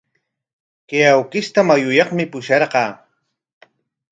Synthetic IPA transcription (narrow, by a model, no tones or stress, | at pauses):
keawkɪst̪amajʊjɑχmɪpʊʃɑɾɢɑː